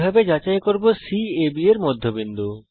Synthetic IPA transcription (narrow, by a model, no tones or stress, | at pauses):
bʱabed͡ʑat͡ɕaekoɾbosiebieɾmɔd̪ʱːobind̪u